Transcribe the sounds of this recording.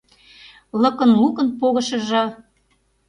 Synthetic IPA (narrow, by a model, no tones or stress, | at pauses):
lɤ̆kə̆nlukə̆npoɣɤ̆ʃɤ̆ʒɤ̆